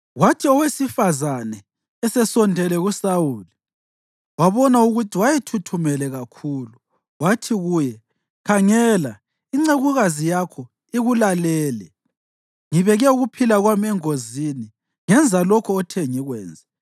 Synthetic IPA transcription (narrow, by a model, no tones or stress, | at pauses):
ɣwatʰiɔwesifazanɛ | ɛsɛsɔndʱɛlɛɣusawuːli | waβɔnauɣutʰiwajɛtʰutʰumɛlɛɣakʰuːlu | ɣwatʰiɣujɛ | kʰaŋɛla | iŋ͡ǀeɣuɣazijakʰɔ | iɣulalɛːlɛ | ŋiβɛɣɛuɣupʰilaɣwamɛŋozini | ŋɛnd͡zʱalɔkʰɔːtʰɛŋiɣwɛ̰ːnd͡zʱɛ